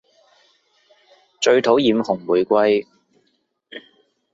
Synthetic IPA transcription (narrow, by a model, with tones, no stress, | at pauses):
t͡ʃɵ˧ɥt̪ʰo˨˥wjiː˨˧mhʊ˨˩ŋmuː˨˩jkʷɐ˥j